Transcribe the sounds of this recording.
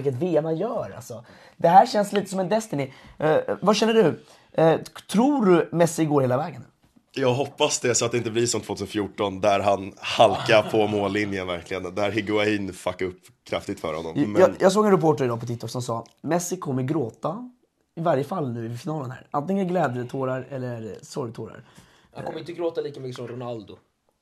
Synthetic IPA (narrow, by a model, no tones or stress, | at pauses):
ɪkːət̪veːɛmanjœːɾa̰lsɔ | d̪ɛɦæːɕɛnsliːt̪əsɔmɛnd̪ɛst̪ənɪ | vaɕɛnːəɖɵ | t̪ʰɾuːɖɵmɛsɪɡoːɾheːlavɛːɡən | jɑːɡɦɔpːasd̪ɛsɔat̪d̪ɛɪnt̪əblɪsɔmt̪ʰvoːt̪ʰʉsnfjuːʈɔnd̪æɾɦanhalkaɾpʰɔmoːlːɪnjənvæ̰ɾkʰlɪɡə̰nd̪æɾɦɪɡʊaiːnfakːaɵpː | kʰɾa̰ft̪ɪɡ̚t̪fœ̰ːɾhɔ̰nːɔ̰mːnjʔɑːɡs̬oːɡɛnɾɛpʰoːʈəɾɪd̪ɑːpɔt̪ʰɪt̪ʰːɔksɔmsɑːmɛsːɪkʰɔmːəɾɡɾoːt̪a | ɪvaɾjəfalːnʉ̟ːɪfɪnɑːlənhæ̰ːɾant̪ɪŋːənɡlɛːd̪ət̪ʰoːɾaɾɛlːəɾsɔɾjt̪ʰoːɾa̰ɾ | ha̰ŋkɔməɪnt̪əɡɾoːt̪aliːkamʏkːəsɔmɾʊnald̪ʊ